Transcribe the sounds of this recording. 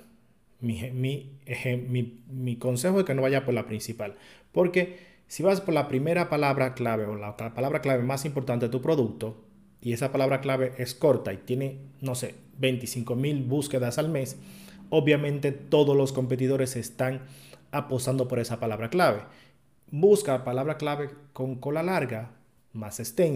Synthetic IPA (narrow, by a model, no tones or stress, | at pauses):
mimiehemimiko̞nse̞xoke̞no̞βaʝapo̞ɾlapɾinsipalpo̞ɾke̞ | siβaspo̞ɾlapɾime̞ɾapalaβɾaklaβe̞olakapalaβɾaklaβe̞masimpo̞ɾt̪ant̪et̪upɾo̞ðuk̚t̪o̞ | ie̞sapalaβɾaklaβe̞ʔe̞sko̞ɾt̪ait̪jene̞no̞se | be̞jnt̪isiŋko̞milbuske̞ðasalme̞soβjamẽ̞nt̪e̞t̪o̞ðozlo̞sko̞mpe̞t̪̬iðo̞ɾesest̪aŋapo̞st̪and̪opo̞ɾe̞sapalaβɾaklaβe̞ | buskapalaβɾaklaβe̞ko̞ŋko̞lalaɾɣa | masekst̪en